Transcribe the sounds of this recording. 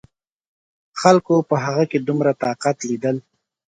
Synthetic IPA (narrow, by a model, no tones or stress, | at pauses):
xalkopəɦaɣaked̪umɾat̪ɑqat̪lid̪əl